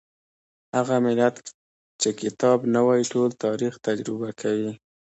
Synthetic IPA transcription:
haɣamɪlat̪ | t͡ʃekɪt̪ɑbnawɑjiʈolt̪ɑɾixt̪ad͡ʒɾɪbakʰawi

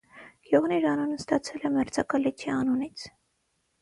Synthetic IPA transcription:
ɡ̥jɔʁniɾɑnunəst̪ɑt͡sʰɛlɛmɛɾt͡sʰɑkɑlit̪ʰiɑnunit͡sʰ

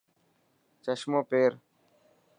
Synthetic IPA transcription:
t͡ʃəʃmõːpeːɾ

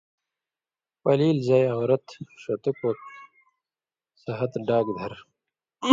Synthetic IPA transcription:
pɐliːlzaːjɐ̃ːɾɐt̪ʂɐt̪ukoː | sɐɦɐt̪ɖaːɡd̪ʱɐɾ

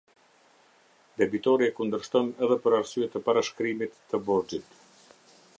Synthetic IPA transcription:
d̪ɛbit̪ɔɾiɛkund̪əɾʃt̪ɔnɛðɛpəɾaɾsyɛt̪əpaɾaʃkɾimit̪ːəbɔɾd͡ʒit̪

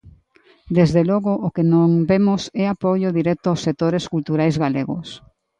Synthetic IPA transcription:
d̪ezðelɔɣʊʔːkenõŋbemʊsɛapoʎʊðiɾɛt̪ʊawsːek̚t̪oɾeskult̪uɾajzɣaleɣʊ̰s

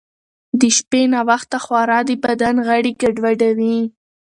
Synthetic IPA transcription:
d̪əʃpenawaxt̪axwaɾɑd̪əbad̪anɣaɽikaɖwaɖawi

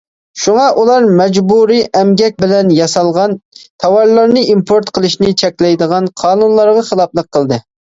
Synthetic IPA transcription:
ʃuŋɑʔulˠɑɾmɛd͡ʒbuɾiʔɛmɡʲɛk̚ʲbɪlɛnjɑsɑlˠʁɑnt̪ʰɑwɑɾlˠɑɾnɨimpʰoɾt̪qʰəlˠɨʃnɪt͡ʃʰɛkʲlɛjd̪əʁɑnqʰɑːnunlˠɑɾʁɑχəlˠɑp̚lˠəqʰːəlˠd̪ɨ

